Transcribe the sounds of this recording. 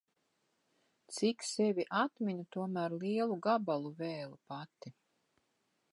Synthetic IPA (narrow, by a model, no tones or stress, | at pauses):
t̪siksɛvʲiʔat̪minut̪uɔmæːɾliɛlˠuɡabalˠuvɛːlˠupat̪i